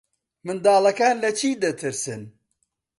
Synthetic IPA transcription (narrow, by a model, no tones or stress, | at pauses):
mɨnd̪aːlˠɐkaːnlɐt͡ʃʰiːd̪ɐt̪ʰɨɾsɨn